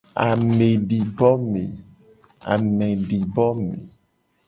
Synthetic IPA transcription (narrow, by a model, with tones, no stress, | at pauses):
a˨mẽ˨ɖi˨bɔ˦me˨ | a̰˨mẽ˨ɖi˨bɔ˦mḛ˨